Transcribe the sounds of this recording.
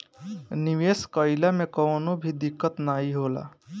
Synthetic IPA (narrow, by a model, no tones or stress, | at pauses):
niʋeskəɪlamekənobʱid̪ikːət̪naɦiɦola̰